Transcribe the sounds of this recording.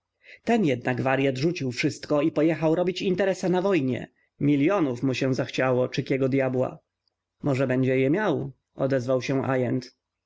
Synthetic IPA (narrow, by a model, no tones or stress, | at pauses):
t̪ɛnjɛd̪̚naɡvaɾjad̪ʐut͡ɕiwfʂɘst̪kɔipɔjɛxawɾɔbʲit͡ɕint̪ɛɾɛsanavɔjɲɛ̰ | mʲiljɔnufmuɕɛ̃zaxt͡ɕawɔt͡ʂɘkʲjɛɡɔd̪jabwa̰ | mɔʐɛbɛɲd͡ʑɛjɛmʲjaw | ɔ̰d̪ɛzvawɕɛʔa̰jɛnt̪